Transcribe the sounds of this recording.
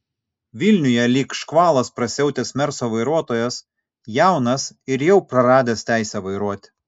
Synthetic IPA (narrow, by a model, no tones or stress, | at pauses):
ʋʲɪlʲnʲʊjɛlʲiːkʃkʋɑːlˠɐspɾɐsʲɛʊt̪ʲeːsmʲɛɾsoːʋɐɪɾuɔt̪oːjɛs | jæˑʊnɐsɪɾjɛʊpɾɐɾɑːd̪ʲeːst̪ʲæˑɪsʲɛʋɐɪɾuɔt̪ʲ